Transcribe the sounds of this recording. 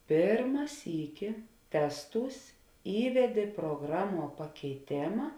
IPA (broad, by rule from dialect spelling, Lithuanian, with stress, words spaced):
ˈpʲeːrmɐ ˈsʲiːkʲɪ ˈtʲæːsˌtuːs ˈiːʋʲɛdʲeː pruɔˈɡrɑːˌmuɔ pɐkʲɛɪˈtʲeːmɐ